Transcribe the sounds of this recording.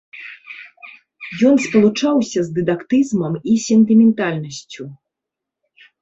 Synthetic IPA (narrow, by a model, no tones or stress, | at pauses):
jɔnspɐlˠut͡ʂawsʲɐzd̪ɨd̪akt̪ɨzmɐmisʲɛnt̪ɨmʲɛnt̪alʲnɐsʲt͡sʲu